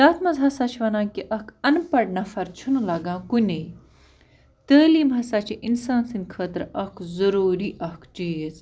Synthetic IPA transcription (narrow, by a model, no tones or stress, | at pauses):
jaːt̪mɐzɦɐsat͡ʃʰʋɐnaːkiʔɐkʰɐnpɐɽnafɐɾt͡ʃʰunlɐɡãːkunʲe | t̪əːliːmɦɐsaːt͡ʃʰiʔinsaːnsinkʰəːt̪ɾɐkʰzɐɾoːɾiːʔɐkʰt͡ʃiːz